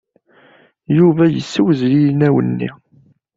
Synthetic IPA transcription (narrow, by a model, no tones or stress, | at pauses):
juvæjə̰sːəwzlilnæwə̰nːḭ